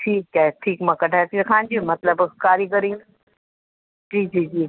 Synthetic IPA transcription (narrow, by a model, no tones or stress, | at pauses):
ʈʰiːk̚t͡ɕaɦɛʈʰiːkmɐ̃kɐʈʰaːet̪ikʰãːnd͡ʑimɐt̪ləbkaːɾiɡəɾiːn | d͡ʑiːd͡ʑiːd͡ʑiː